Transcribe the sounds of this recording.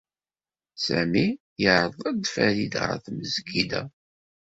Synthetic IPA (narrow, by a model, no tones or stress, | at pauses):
sæmi | jəɾəðˤæd̪fæɾid̪ə̰θməzɡid̪æ̰